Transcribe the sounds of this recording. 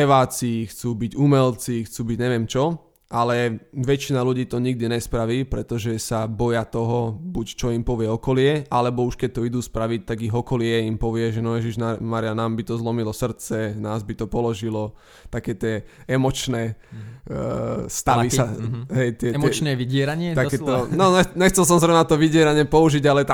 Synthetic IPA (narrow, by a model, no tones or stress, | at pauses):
ɛʋaːt͡siːxt͡suːbiɟumɛlt͡sixt͡suːbiɟɲɛʋɪɛmt͡ʃɔ | ʔalɛʋɛt͡ʃinaluɟiːt̪ɔɲiɡ̚d̪iɲɛspɾaʋiːpɾɛt̪ɔʒɛsabɔjat̪ɔɦɔbuct͡ʃɔimpɔʋɪɛɔkɔlɪɛʔalɛbɔuʃkɛc̚t̪ɔid̪uːspɾaʋict̪aɡiɦɔkɔlɪɛimpɔʋɪɛʒɛnɔjɛʒiʒnamaɾianaːmbit̪ɔzlɔmilɔsr̩t͡sɛnaːzbit̪ɔpɔlɔʒilɔ | t̪akɛːt̪ɪɛ | ɛmɔt͡ʃnɛː | st̪aʋiaɦɛjt̪ɪɛɛt͡ʃnɛʋiɟɪɛɾaɲɪɛt̪akɛt̪ɔnɔɛɲɛxt͡sɛls̬ɔmzɾɛnat̪ɔʋiɟɪɛɾaɲɪɛpɔuʒiɟalɛt̪